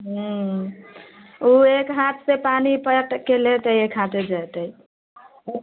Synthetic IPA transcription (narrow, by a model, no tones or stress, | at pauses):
ɦũ | uekɦat̪ʰsepanipəʈkelet̪əjekɦat̪ed͡ʒajt̪ə